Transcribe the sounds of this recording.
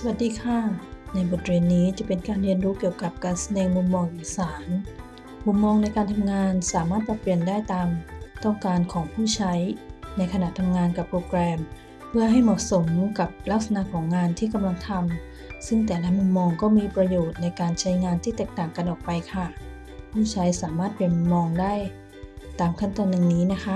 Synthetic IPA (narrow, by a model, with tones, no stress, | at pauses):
sa˧wa˨˩t̪̚diː˧kʰa˥˩na˧jbo˨˩t̪̚weː˧nːiː˦˥t͡ɕa˨˩pe˧nkaː˧nɾi˧ənɾuː˦˥ki˨˩əwka˨˩p̚kaː˧nsa˧dɛː˧ŋmu˧mːɔː˧ŋʔiː˨˩saː˩˦n | mu˧mːɔː˧ŋna˧jkaː˧nt̪ʰa˧mŋaː˧nsaː˩˦maː˥˩t̪̚pɾa˧pli˨˩əndaː˥˩jt̪aː˧mt̪ɔ˥˩ŋkaː˧nkʰɔː˩˦ŋpʰuː˥˩t͡ɕʰa˦˥jna˧jkʰa˧na˨˩ʔt̪ʰa˧mŋaː˧nka˨˩pːɾoː˧kɾɛː˧m | pʰɯ˥˩ɐɦa˥˩jmɔː˨˩ʔso˩˦mka˨˩p̚la˦˥˩k̚sa˧na˧ʔkʰɔː˩˦ŋːaː˧nt̪ʰiː˥˩ka˧mla˧ŋt̪ʰa˧m | sɯ˥˩ŋt̪ɛː˨˩la˦˥mu˧mmɔː˧ŋkɔː˥˩miː˧pɾa˧joː˨˩t̪̚na˧jkaː˧nt͡ɕʰa˦˥jŋaː˧nt̪ʰiː˥˩t̪ɛː˨˩k̚t̪aː˨˩ŋka˧nʔɔː˨˩k̚pa˧jkʰa˥˩ | pʰuː˥˩t͡ɕʰa˦˥jsaː˩˦maː˥˩t̪̚pe˧˩mu˧mːɔː˧ŋdaː˥˩j | t̪aː˧mkʰa˥˩nt̪ɔː˧nda˨˩ŋniː˦˥na˦˥kʰa˦˥